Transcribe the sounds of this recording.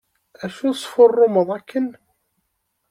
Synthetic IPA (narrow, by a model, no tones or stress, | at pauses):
æʃusˤfʊrˤːʊməðˤækːən